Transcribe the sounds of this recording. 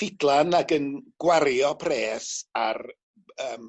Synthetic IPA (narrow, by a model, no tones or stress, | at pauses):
ɪdlˠanaɡənɡ̥waɾjɔpʰreːsar | əːm